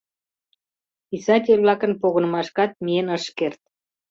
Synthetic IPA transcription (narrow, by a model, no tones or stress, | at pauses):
isɑt̪ʲelβlɑkə̆npoɣonə̆mɑʃkɑt̪̚miənəʃkert̪̚